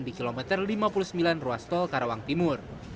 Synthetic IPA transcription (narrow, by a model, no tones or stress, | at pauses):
ndikilomɛt̪ərlimapulusəmbilanruast̪ɔlkaɾowaŋt̪imʊr